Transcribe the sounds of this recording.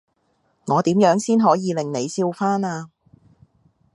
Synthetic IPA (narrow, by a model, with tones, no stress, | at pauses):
ŋɔː˨˧t̪iː˨˥mjœː˨˥ŋsiː˥nɦɔː˨˥jiː˨˧lɪ˨ŋne˨˧jsiː˧wfaː˥naː˧